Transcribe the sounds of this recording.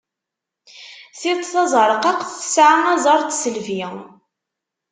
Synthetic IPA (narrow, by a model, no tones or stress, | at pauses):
θit̪ˤθɑzˤɾˤəqɑqθθə̥sʕaŋæzˤɑɾˤt̪səlviŋ